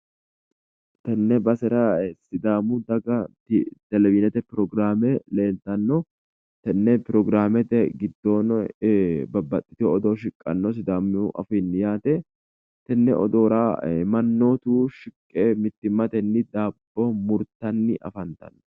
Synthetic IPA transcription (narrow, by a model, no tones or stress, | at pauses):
t̪ɐnːɛbɐsɛɾɐsɪd̪aːmud̪ɐɡɐt̪ɪd̪̥ɛlɛvinɛt̪ɛpɪɾɔɡɾaːmɛle̞ːlt̪ɐnːɔ | t̪ɛnːɛpɪɾɔɡɾaːmɛt̪ɛɡɪd̪ːo̞ːn | bɐbːɐt̪ʼːɪ̥t̪ɪɔd̪oːʃɪkʼːɐ̰nːɔs̬ɪd̪aːmːɪʔɐ̰fɪnːɪjaːt̪ɛ | t̪ɛnːɛ̰ɔ̰d̪oːɾaːmɐnːoːt̪uːʃɪkʼːeːmɪt̪ːɪmːɐt̪ɛnːɪd̪aːbːomʊɾt̪ːɐnːɪʔɐ̰fɐnt̪ɐ̰nː